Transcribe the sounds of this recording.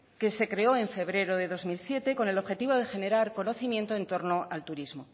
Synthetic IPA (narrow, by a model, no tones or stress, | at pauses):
ke̞se̞kɾe̞o̞eɱfe̞βɾe̞ɾo̞ðe̞ðo̞zmilsje̞t̪e̞ko̞ne̞lo̞βxe̞t̪iβo̞ðexe̞ne̞ɾaɾko̞no̞θimjẽ̞nt̪oe̞nt̪o̞ɾno̞alt̪uɾizmo